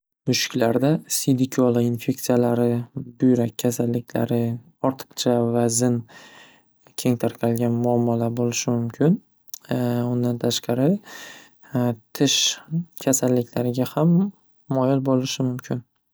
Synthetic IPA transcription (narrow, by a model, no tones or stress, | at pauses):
bʊʃɪ̥kʲlaɾd̪asid̪ɪkʲʰɒlˠainfe̞k̚t̪sijalaɾɪbʊjɾakʲʰːasalːɪkʲla̰ɾɪ | ɒɾt̪ʰɨ̥qt͡ʃʰavazɪn | kʲʰe̞ŋt̪ʰaɾqʲʰɑlɡʲanmʊamːalabolɪʃɪmʊmkʲʰɪn | ʊnd̪ant̪ʰaʃqɑɾɪ | t̪ʰɪʃkʲʰasalːɪkʲʰlaɾɪɡʲahamː | ɒjɪlbolɪʃɪmʊmkʲʰɪn